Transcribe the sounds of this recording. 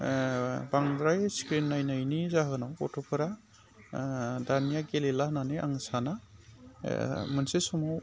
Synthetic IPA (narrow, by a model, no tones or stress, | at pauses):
baŋdɾajskɾinːajnajnizaɦɯnawɔ̰tʰupʰɯɾa | daɾnijaɡelelananɯʔa̰ŋsana | mɯnsesɔmaw